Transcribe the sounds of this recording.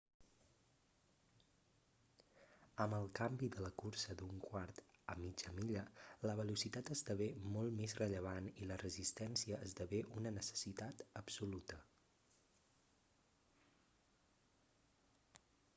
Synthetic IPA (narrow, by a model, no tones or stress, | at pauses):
əməlˠkambiðələkuɾsəd̪uŋkwaɾt̪əmid͡ʒəmiʎələβəlusit̪at̪əzd̪əβemɔlˠtmezrəʎəβ̞anilərəzist̪ɛnsiəʔəzd̪əβeʔunənəsə̥sit̪at̪əpsulut̪ə